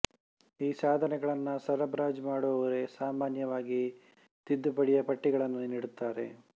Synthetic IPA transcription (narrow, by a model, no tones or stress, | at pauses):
iːsaːd̪ʱɐnɛɡɐɭɐnːɐsɐɾɐbɾaːd͡ʒmaːɽuʋɐʋɐɾe̞saːmaːnjɐʋaːɡi | t̪id̪ːupɐɽijɐpɐʈːiɡɐɭɐnːuniɽut̪ːaːɾe̞̰